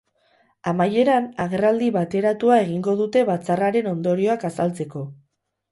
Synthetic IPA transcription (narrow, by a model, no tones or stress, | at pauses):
amaje̞ɾanaɣ̞e̞rald̪iβat̪e̞ɾat̪uae̞ɣ̞iŋɡo̞ðut̪e̞βat͡saraɾe̞no̞nd̪o̞ɾio̞akasalt͡se̞ko̞